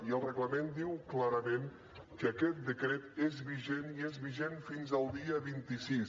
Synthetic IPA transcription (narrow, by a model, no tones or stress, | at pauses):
iəlˠrəɣləmend̪iwklaɾəmẽn | kəəkɛt̪̚d̪əkɾɛt̪ezβiʒeniezβiʒenfinzəlˠd̪iəβint̪isis